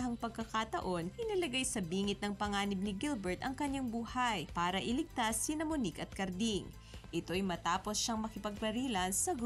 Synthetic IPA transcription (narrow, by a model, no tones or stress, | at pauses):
ɦɐŋpɐɡ̚kːɐkat̪ɐʔo̞nʔɪnɐlɐɡajsɐbiːŋɪt̪nɐŋpɐŋaːnɪb̚nɪɡilbɛɹt̪ɐŋkɐɲːaŋbuːhajpaːɾɐʔɪlɪɡ̚t̪asːinɐmonikɐt̪̚kɐɾd̪iŋ | ʔɪt̪o̞ɐjmɐt̪aːpo̞sʃɐŋmɐkɪpɐɡ̚pɐɾiːlɐnsɐɡ